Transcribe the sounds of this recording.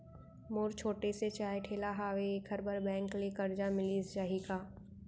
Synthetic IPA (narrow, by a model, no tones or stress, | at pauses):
moːɾt͡ʃʰoːʈeset͡ʃaːeʈʰeːlaɦaːʋeːkʰəɾbɐɾbɛ̃ːŋklekɐɾd͡ʒamɪlisd͡ʒaːɦikaː